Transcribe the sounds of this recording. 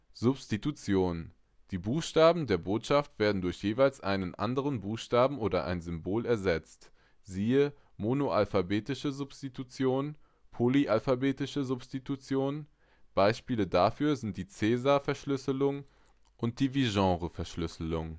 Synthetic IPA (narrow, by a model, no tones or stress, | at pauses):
z̥ʊpstitut͡sjoːn | d̥iːbuːxʃtaːbm̩deːɐboːtʃaftv̥eːɐdn̩dʊɐçjeːvaɪlsʔa̰ɪnənʔa̰ndəʁənbuːxʃtaːbm̩ʔoːɾɐʔa̰ɪnzʏmboːlɛɐzɛt͡st | z̥iːə | monoʔa̰lfabeːtɪʃəzʊpstitut͡sjoːn | pʰoːliʔalfabeːtɪʃəzʊpstitut͡sjoːn | b̥aɪʃpiːlədafyːɐzɪnt̚d̥iːt͡sɛːzaɐfɛɐʃlʏsəlʊŋ | ʔʊnt̚d̥iːviʒɑ̃ːʁəfɛɐʃlʏsəlʊŋ